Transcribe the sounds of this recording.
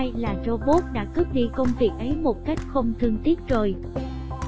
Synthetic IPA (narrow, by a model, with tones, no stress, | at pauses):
jlaː˨˩zo˧ɓo˦˥p̚ɗa̰ː˧˥kɨ˦˥p̚ɗḭ˧˨kə˧wŋ͡mvi˨˩ək̚ʔə˨˦jmo˨˩t̚ka˦˥jk̟̚xə˧wŋ͡mt̪ʰɨ˧əŋt̪ʰi˦˥ət̚zo˨˩j